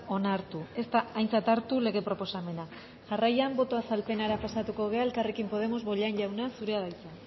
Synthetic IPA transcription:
o̞naɾt̪ue̞st̪aːjnt͡sat̪aɾt̪ule̞ɣe̞pɾo̞po̞same̞na | ʝarajambo̞t̪o̞asalpe̞naɾapasat̪uko̞ɣ̞e̞ae̞lkarekimpo̞ð̞e̞mo̞zβo̞ʎanʎawnasuɾe̞aðajt͡sa

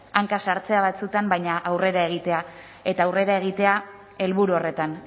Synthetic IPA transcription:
aŋkasaɾt͡se̞aβ̞at͡sut̪ambajɲaʔawre̞ɾae̞ɣ̞it̪e̞a | e̞t̪aːwre̞ɾae̞ɣ̞it̪e̞a | e̞lβuɾuore̞t̪an

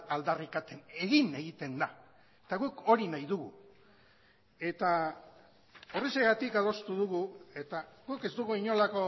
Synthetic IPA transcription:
ald̪arikat̪e̞ne̞ɣine̞ɣit̪e̞nd̪a | et̪aɣuko̞ɾinajðuɣu | e̞t̪a | o̞riseɣat̪ikað̞o̞st̪uðuɣue̞t̪aɣuke̞zd̪uɣuiɲo̞lako̞

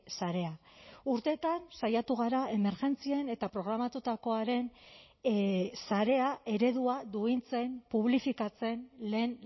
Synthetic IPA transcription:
saɾe̞auɾt̪e̞t̪ansajat̪uɣ̞aɾae̞me̞ɾʝe̞nt͡sie̞ne̞t̪apɾo̞ɣ̞ɾamat̪ut̪ako̞aɾe̞n | saɾe̞ae̞ɾe̞ðuad̪uint͡se̞mpuβlifikat͡se̞nle̞ːn

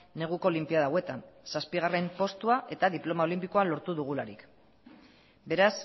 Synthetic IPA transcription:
ne̞ɣ̞uko̞ːlimpiaðawe̞t̪ansaspiɣ̞are̞mpo̞st̪uaʔe̞t̪aðiplo̞mao̞limpiko̞alo̞ɾt̪uðuɣ̞ulaɾḭk | be̞ɾas

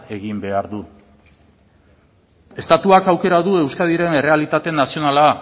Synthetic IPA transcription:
e̞ɣimbe̞aɾðu | e̞st̪at̪uakawke̞ɾaðue̞wskað̞iɾe̞ne̞re̞alit̪at̪e̞nasio̞nala

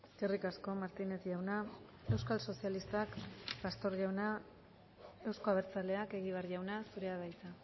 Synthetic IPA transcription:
kerikasko̞maɾt̪ine̞t̪ʝawna | e̞wskalso̞sialist̪akpast̪o̞ɾʝawna | e̞wsko̞aβ̞e̞ɾt͡sale̞ake̞ɣiβeaɾʝawnasuɾe̞aβajt͡s̪a

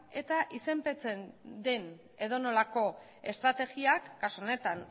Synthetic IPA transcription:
e̞t̪aʔise̞mpe̞t͡se̞nd̪e̞n | e̞ðo̞no̞lako̞ | e̞st̪ɾat̪e̞ɣiakːasone̞t̪an

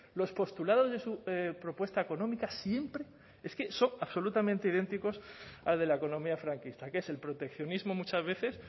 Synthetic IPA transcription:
lo̞spo̞st̪ulað̞o̞zðe̞supɾo̞pwe̞st̪aeko̞nõ̞mikasje̞mpɾe̞ | e̞ske̞so̞ŋaβso̞lut̪amẽnt̪e̞ið̞e̞nt̪iko̞salðe̞laeko̞nõ̞miafɾaŋkist̪ake̞se̞lpɾo̞t̪e̞kθjo̞nizmo̞mut͡ʃazβ̞e̞θe̞s

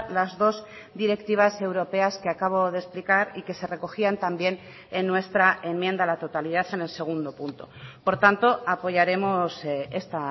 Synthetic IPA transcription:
lazðo̞z | d̪iɾe̞kt̪iβ̞ase̞wɾo̞pe̞askeakaβ̞o̞ð̞e̞splikaɾike̞se̞re̞ko̞xiant̪ambje̞n | enːwe̞st̪ɾae̞mmjẽ̞nd̪alat̪o̞t̪aliðaθe̞ne̞lse̞ɣ̞und̪o̞punt̪o̞̰po̞ɾt̪ant̪o̞apo̞ʝaɾe̞mo̞se̞st̪a

